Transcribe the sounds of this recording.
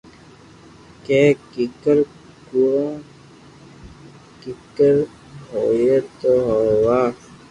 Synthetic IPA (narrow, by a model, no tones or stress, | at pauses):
keːkikəɾ | kuɾõː | kikəɾ | ɦoːjet̪oɦowaː